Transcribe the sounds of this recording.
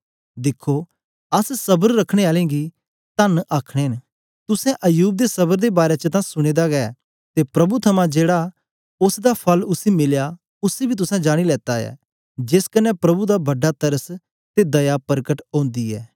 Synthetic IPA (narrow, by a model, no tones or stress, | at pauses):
d̪ɪkʰːo | ɐssɐbəɾːɐkʰɽ̃eaːlẽɡi | t̪ɐnʔaːkʰɽ̃en | t̪ʊsɛ̃ʔɐjuːb̚d̪esɐbəɾd̪ebaːɾet͡ʃət̪ãsʊɽ̃eːd̪aɡɐɛ | t̪epɾɐbut̪ʰɐmãd͡ʒeːɽa | ʊsd̪apʰɐlʊsimɪlja | ʊsibʱit̪̬ʊsɛ̃d͡ʒaːɽ̃ilɛːt̪ajɛ̰ː | d͡ʒɪskɐnːɛpɾɐbud̪abɐɖat̪ɐɾəs | t̪ed̪ɐjapɐɾkəʈõːnd̪iɛ̰ː